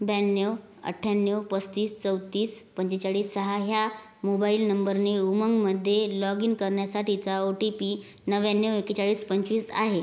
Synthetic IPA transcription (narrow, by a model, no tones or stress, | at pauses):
bɛnjew | ə̰ʈʰːjanːjewpəst̪iːst͡səw̪t̪ːiːspəɲt͡ɕet͡saɭiːsːəɦaɦja | mobailnəmbəɾneuməŋɡməd̪ʱːjelɔɡinkəɾɳjasaʈit͡saoʈipiː | nəʋjanːeweket͡ɕaɭiːspəɲt͡ɕʋiːsa̰ɦe